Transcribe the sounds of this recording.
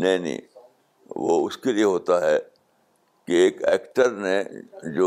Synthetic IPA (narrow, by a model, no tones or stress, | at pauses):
nɐɦĩnḭ̃ː | ʋo̰ʊskelieɦoːt̪aɦɛː | kieːkɛ̰ːkʈəɾnẽd͡ʒoː